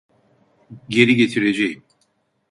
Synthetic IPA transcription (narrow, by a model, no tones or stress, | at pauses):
ɟe̞ɾiɟe̞t̪ʰiɾed͡ʒejim